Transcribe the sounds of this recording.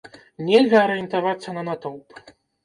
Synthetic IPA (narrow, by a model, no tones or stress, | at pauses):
nʲɛlʲɣɐːɾɛjɛnt̪avat̪sːɐnɐnat̪ɔwp